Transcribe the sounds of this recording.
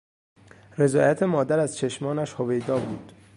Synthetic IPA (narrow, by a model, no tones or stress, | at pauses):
ɾe̞zɒːjæt̪ʰemɒːd̪æɾæzt͡ʃʰe̞ʃmɒːnæʃhove̞jd̪ɒːbuːd̪̥